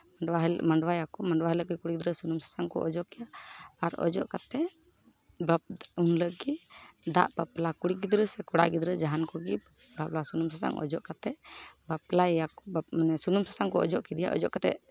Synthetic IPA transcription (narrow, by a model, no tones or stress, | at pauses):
amaɳɖwajakɔmaɳɖwaɦələʔɡikuɽiɡid̪ɾəsunumsḁsaŋkɔ̰ʔɔd͡ʒɔʔkɛjaːɾɔ̰d͡ʒɔ̰ʔkat̪ɛʔ | baunləʔɡid̪a̰ʔbaplakuɽiɡid̪ɾəsɛkɔɽa̰ʔɡid̪ɾəd͡ʒaɦankɔɡi | baplasunumsasa̰ŋʔɔ̰d͡ʒɔʔkat̪ɛbaplajakɔanɛsunumsasaŋkɔɔd͡ʒɔʔkid̪ija̰ʔɔ̰d͡ʒɔʔkat̪ɛ̰ʔ